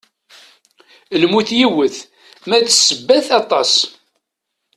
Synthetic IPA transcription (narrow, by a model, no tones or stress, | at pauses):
lmuθjiwəθ | mæðsːəbːæθɑt̪ˤɑsˤ